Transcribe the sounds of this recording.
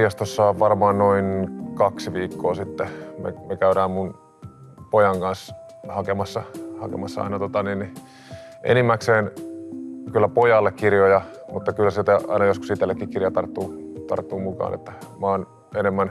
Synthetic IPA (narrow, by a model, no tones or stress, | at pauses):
jɑst̪osːɑʋʋɑrmɑːnnoinkɑksiʋiːkːoːsit̪ːemḛmekæyɾæːmmun | pojɑŋkɑns | hɑkemɑsːɑhɑ̰kḛmɑsːɑɑ̰inɑt̪ot̪ɑninni | ʔḛnimːækseːn | kylːæpojɑlːekkirjojɑ | mut̪ːɑkylːæsit̪æɑ̰inɑjoskusit̪elːekːikirjɑt̪ɑrt̪ːuːt̪ɑ̰rt̪ːuːmukɑ̰ːnḛt̪ːæmɑːn | enemːæn